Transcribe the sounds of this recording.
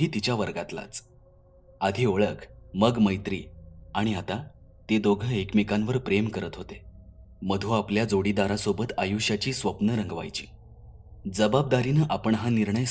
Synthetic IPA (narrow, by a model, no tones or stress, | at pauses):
iːt̪it͡ɕjaʋəɾɡat̪la̰t͡s | ad̪ʱioɭəkməɡməjt̪ɾḭːaɽ̃iat̪a | t̪ed̪oɡʱəekmikanʋəɾpɾemkəɾət̪ɦot̪e | məd̪ʱuapljad͡zoɽid̪aɾasobət̪ajuɕjat͡ɕiːsʋəpnəɾəŋɡʋa̰jt͡ɕḭː | d͡zəbab̚d̪aɾinəʔapəɳɦaniɾɳəj